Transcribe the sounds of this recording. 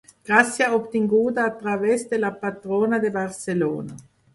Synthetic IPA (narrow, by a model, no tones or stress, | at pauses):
ɡ̥ɾasːjaopt̪iŋɡuːt̪aːt̪ːɾavɛsd̪elapat̪ɾoːnad̪ebarselo̰ːna